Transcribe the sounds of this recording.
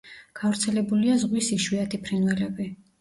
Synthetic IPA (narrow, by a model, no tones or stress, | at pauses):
ɡ̥avɾt̪sʰɛlɛbuliazʁwisiʃwiat̪ʰipʰɾinvɛlɛbi